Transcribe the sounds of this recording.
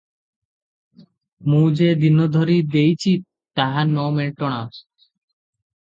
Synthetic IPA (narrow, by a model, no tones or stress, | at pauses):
mũd͡ʑed̪inːod̪ʱoɾid̪ejt͡ɕʰi | t̪aɦanomeʈoɽ̃a